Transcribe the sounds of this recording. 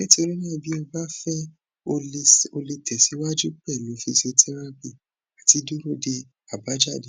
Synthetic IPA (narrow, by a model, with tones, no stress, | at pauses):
le˦ti˦o˧ɾĩ˦nĩ˦a˧˨bi˨˦ɔ˧ba˦fɛ˦ | o˧o˧le˧tʰɛ˨si˨˦wa˦d͡ʒu˦k͡pɛ˦˨lũ˨˦fi˧so˧tʰɛ˦ɾã˦bi˦˨ | a˨ti˨˧˦du˦ɾo˦˨de˧ | a˨ba˨˦d͡ʒa˦˨de˨